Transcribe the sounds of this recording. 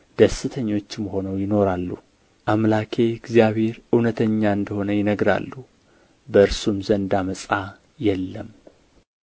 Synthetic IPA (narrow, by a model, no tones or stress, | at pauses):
d̪̥əsɨt̪ʰəɲːo̞t͡ʃːɪmho̞nəwjɪno̞ɾalːṵ | ʔamlakʰe̞ɡzijaβhe̞ɾɨwnət̪ʰəɲːaɨnd̪əho̞nəjɪnəɡɾa̰lːu | bəɨɾsumzənd̪aməsʼa | jɛlːəm